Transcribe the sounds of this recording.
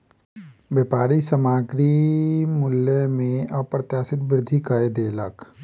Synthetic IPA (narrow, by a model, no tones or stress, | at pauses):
ʋepaːɾisəmaːɡɾimʊljəmẽɔːpɾət̪jaːsɪt̪bɪɾɪd̪ʱikaed̪eːlək